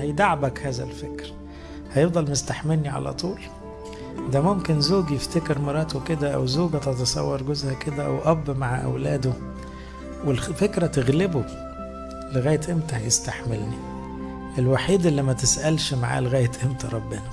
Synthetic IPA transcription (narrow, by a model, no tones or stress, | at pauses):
hæjd̪aʕabækhæːzæ̰lfekɾ | hæjefd̪ˤɑlmest̪aħmelniʕa̰læ̰t̪ˤuːl | d̪æmomkenzoːɡjeft̪ekeɾmɑɾˤːɑːt̪oked̪æʔæ̰wzoːɡæt̪ɑt̪ɑsˤɑ̰wːɑɾˤɡozhæked̪æʔæ̰wʔɑbːmaʕaʔæ̰wlæːd̪o | welfekɾæt̪eɣlebo | leɣæːjet̪ʔemt̪æhjest̪aħmelni | ʔelwaħiːd̪ʔelːimæt̪esʔælʃmaʕa̰ːleɣæːjːet̪ʔemt̪æɾˤɑbːenæ